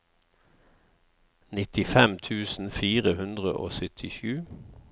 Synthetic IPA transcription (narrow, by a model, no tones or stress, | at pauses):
nɪt̪ɪfɛmt̪ʰʉːsn̩fiːʁəhʉnd̪ʁəʔo̰ːsœt̪ʰɪʃʉː